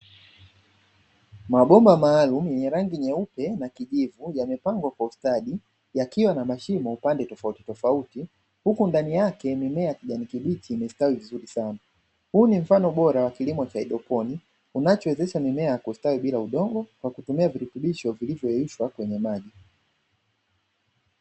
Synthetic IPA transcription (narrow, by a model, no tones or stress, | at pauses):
maɓɔmbamaːlumujɛɲɛɾaŋɡiɲɛupɛnakiʄivujamɛpaŋɡwakwaustaɗi | jakiwanamaʃimɔupandɛtɔfauti̥tɔfauti | hukundanijakɛmimɛajkiʄanikiɓitʰiːmɛstawivizuɾisana | huːnim̩fanɔɓɔɾawakilimɔt͡ʃaiɗɔpɔni | unat͡ʃɔwɛzɛʃamimɛajakustawiɓilauɗɔŋɡɔkwakutumiaviɾutuɓiʃɔvilivjɔɛuʃwakwɛɲɛmaʄi